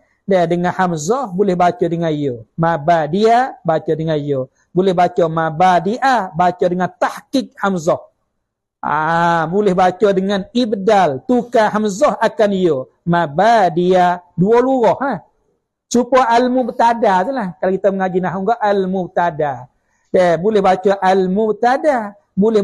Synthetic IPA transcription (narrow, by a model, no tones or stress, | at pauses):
dadəŋanhamzɔhbulɛhbat͡ʃɔdəŋanijomabadiabat͡ʃɔdəŋanijo | bulɛhbat͡ʃɔmabadiʔabat͡ʃɔdəŋant̪ahkɪk̚hamzɔh | a̰bulɛhbat͡ʃɔdəŋanibdalt̪ukaɦamzɔhakanijo | mabadiaduoluɾɔhnah | t͡ʃupɔʔalmubət̪adat̪ulahkalakit̪aməŋad͡ʒinaɦuŋɡɔʔalmubət̪ada | dɛbulɛhbat͡ʃɔʔalmubət̪ada | bulɛ